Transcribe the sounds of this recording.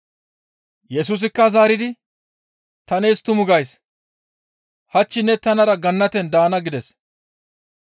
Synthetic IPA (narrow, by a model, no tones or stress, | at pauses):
jɛs̬uːs̬ɪkːɐzaːɾɪd̪ɪ | t̪ɐneːst̪ʊmʊɡɐjs | hɐt͡ʃːɪnɛt̪ɐnɐɾɐɡɐnːɐt̪ɛnd̪aːnɐɡɪd̪ɛs